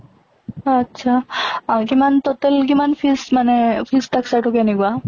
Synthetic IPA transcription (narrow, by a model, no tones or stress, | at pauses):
atːsʰakimant̪ɔtɛlk̬imanpʰismanɛpʰistaksaʈɔkɛnɛkua